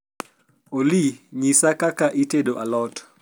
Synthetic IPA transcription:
oliɲisakakaʔitedoʔalɔt

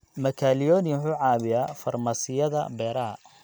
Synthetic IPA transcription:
mɐkʰaːlɪjɔːnɪħuːʕɑːβɪjaːfɐrmasɪjɐðɐbɛːɾɐɦɐ̰

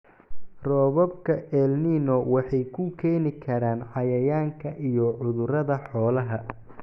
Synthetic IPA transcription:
rɔːβɔb̚kʰɐɛlniːnɔwɑħɑjkʰʊkʰɛːnɪkʰɐɾaːnħɑjɐjaːŋkʰɐʔijɔʕʊðʊɾɐðɐħɔːlɐɦɐ

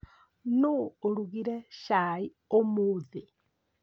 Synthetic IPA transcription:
noːɾuɣiɾɛʃai | omoði

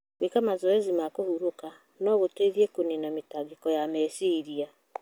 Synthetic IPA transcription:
wekamazɔezimakohuɾoka | nɔɣoteðiekonenametaɡekɔjamɛsiɾia

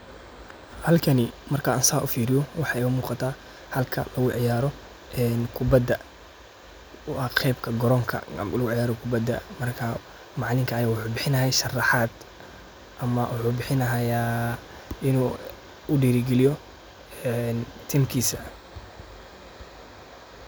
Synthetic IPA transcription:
hɐlkʰɐnɪmɐrkʰɐɐnsaːʊfiːɾɪjɔwɑħɑʊmuːqɑt̪ʰaː | hɐlkʰɐ̰lɐɣʊʕɪjaːɾɔ | ɛnkʰʊbɐd̪ːɐ | ʔɐqʰɛːbkʰɐɡɔɾɔŋkʰɐ̰lɐɣʊʕɪjaːɾɔkʰʊbɐd̪ɐ̰mɐrkʰɐ | mɑʕlɪŋkʰɐːjaːwʊħuːbɪħɪnɐɦɛjʃɐrɑħɑːd̪̥ | ʔɐmɐwʊħuːbɪħɪnɐɦɐja | ɪnuː | ʊɖiːɾɡɛlɪjɔ | nt̪ʰiːmkʰiːsɐ

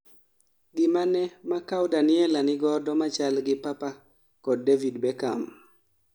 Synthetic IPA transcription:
ɡɪmanɛmakawdanɪɛlanɪɡɔdɔmat͡ʃalɡɪpapa | kɔdːevidbɛka̰m

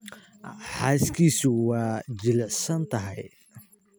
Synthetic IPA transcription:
ħaːskiːsuwaːd͡ʒɪlɪʕsɐnt̪ɐɦɐj

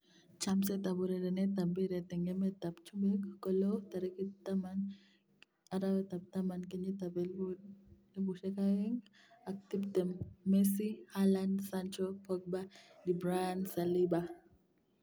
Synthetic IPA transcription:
t͡ʃamsɛt̪abuɾɛdɛnɛt̪ambiɾɛt̪ɛŋɛmɛt̪apt͡ʃumekkɔlot̪aɾikit̪aman | aɾawɛt̪ap̚t̪amankeɲit̪abɛ | libuʃɛkaɛŋ | ak̚tibt̪ɛmːɛsihalandsant͡ʃɔpɔk̚badibɾaansaliba

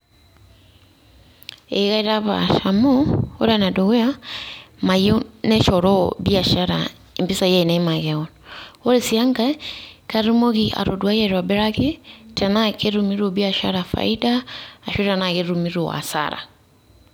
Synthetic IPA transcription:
eɣaiɾaβa̰ʃamoo̰ɾanadoɣea | majɔnɛʃɔɾɔbiaʃaɾa̰ | impisajainamaɣaɔnoɾesiaŋɡakaɾumoɣiʔa̰ɾo̰dwajɛɾwabɛɾaketɛnakeɾumiɾobiaʃaɾafa̰idaːʃotanakeɾumiɾoa̰sa̰ɾa̰

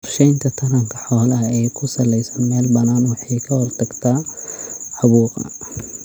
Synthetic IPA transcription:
ʊrʃɛjnt̪ʰɐt̪ʰɐnɐŋkʰɐ̥ħɔːlɐɦɛːkʰʊsɐlɛjsɐnmɛːlbɐnaːnwɑħɑjkʰɐhɔrt̪ʰɐɡt̪ʰaː | ʕɑβuːqɐ̰

